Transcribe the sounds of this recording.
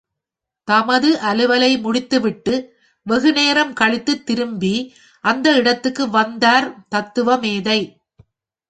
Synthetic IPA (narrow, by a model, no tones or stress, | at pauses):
t̪ɐmɐðɯʔɐlɯʋɐlɐɪmʊɽɪt̪ːɯʋɪʈːɯ | ʋɛɣɯneːɾɐmkɐɭɪt̪ːɯt̪ːɪɾɯmbi | ʔɐnd̪ɐɪɽɐt̪ːɯkːɯʋɐnd̪aːɾt̪ɐt̪ːɯʋɐmeːðɐɪ